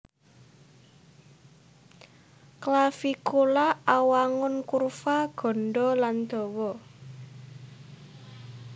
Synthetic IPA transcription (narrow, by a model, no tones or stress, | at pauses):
klafikulaawaŋʊnkurfaɡ̥ɔ̤nɖɔland̪̥ɔ̤wɔ